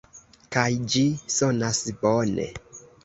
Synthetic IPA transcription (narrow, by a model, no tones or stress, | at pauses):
kajd͡ʒisɔnasbɔnɛ̰